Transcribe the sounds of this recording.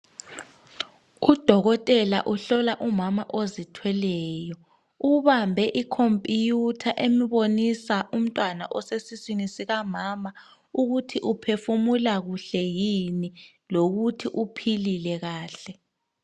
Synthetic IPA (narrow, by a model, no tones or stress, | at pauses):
ud̥ʱɔɣɔtʼɛla̰ʔuɬɔlaʔumamaʔozitʰwɛlɛːjɔ | uβambʱɛʔikʰompʼijutʰaʔemiβonisaʔum̩tʼwanaʔɔsesisinisiɣamaːma | uɣutʰiʔupʰefumulaɣuɬɛjini | loɣutʰiʔupʰililɛɣaːɬɛ